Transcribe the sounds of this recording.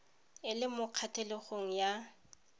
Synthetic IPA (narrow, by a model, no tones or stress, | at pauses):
ɪlɪmʊq͡χʰatʰɛlɪχoŋ̩ja